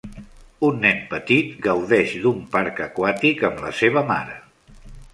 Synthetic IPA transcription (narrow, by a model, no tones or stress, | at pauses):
unːɛmpət̪it̪ɡəwðɛʃd̪umpaɾkəkwat̪ikəmlə̰seβ̞əma̰ɾə